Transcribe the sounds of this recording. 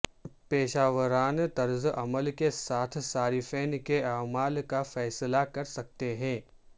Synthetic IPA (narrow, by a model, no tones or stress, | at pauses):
peːʃaːʋəɾaːnt̪ɐɾzʔɐməlkesaːt̪ʰsaːɾifɛːnkeaːmaːlkafɛːslakɐɾsɐk̚t̪eɦɛ̃ː